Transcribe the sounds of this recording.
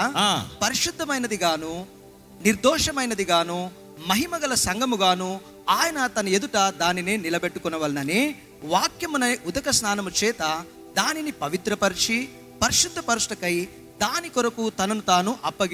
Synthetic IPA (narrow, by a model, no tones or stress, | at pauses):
pɐɾiʃud̪ʱːɐmɐjnɐd̪iɡaːnu | niɾd̪ɔːʂɐmɐjnɐd̪iɡaːnu | mɐɦimɐɡɐlɐsɐŋɡɐmuɡaːnu | aːjɐnɐt̪ɐnɐed̪uʈɐd̪aːnine̞ːnilɐbeʈːukɔnɐʋɐlnɐneː | ʋaːkjɐmunɐjud̪ɐkɐsnaːnɐmut͡ʃɛːt̪ɐ | d̪aːninipɐʋit̪ɾɐpɐɾʂi | pɐɾiʃud̪ʱːɐpɐɾuʂʈɐkɐj | d̪aːnikɔɾɐkut̪ɐnɐnut̪aːnuʔɐpːɐɡi